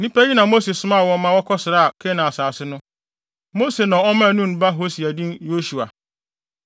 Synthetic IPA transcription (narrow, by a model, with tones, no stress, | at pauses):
nĩ˦pæ˦ɲi˦nã˨mo˦se˨sʊ˦mã˦˨wɔ̃˦mã˦wɔ˦kʰɔ˦sɪ˨ɾa˦a˨kʰe˦nã˨a˨saː˨sɪ˦nʊ̃˦ | mo˦se˨nã˨ɔ˦mã˦˨nũ˦n˨ba˦ɦo˦si˨æ˨dĩ˦njo˦su˨a˨